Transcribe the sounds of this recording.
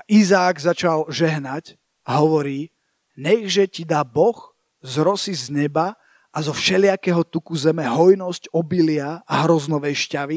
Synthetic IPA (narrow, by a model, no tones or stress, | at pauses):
aʔizaːɡzat͡ʃalʒɛɦnac | aɦɔʋɔɾiː | ɲɛɣʒɛcid̪aːbɔx | zɾɔsizɲɛba | ʔazɔfʃɛlɪakɛɦɔt̪ukuzɛmɛɦɔjnɔscɔbilɪaaɦɾɔznɔʋɛjʃcaʋi